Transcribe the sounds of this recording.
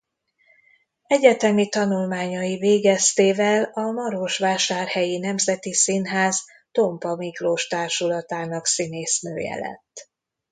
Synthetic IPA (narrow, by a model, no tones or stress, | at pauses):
ɛɟɛt̪ɛmit̪ɒnulmaːɲɒjiveːɡɛst̪eːvɛlɒmɒɾoʃʋaːʃaːrhɛjinɛmzɛt̪isinɦaːz | t̪o̞mpɒmikloːʃt̪aːrʃulɒt̪aːnɒksineːsnø̰ːjɛ̰lɛ̰t̪ː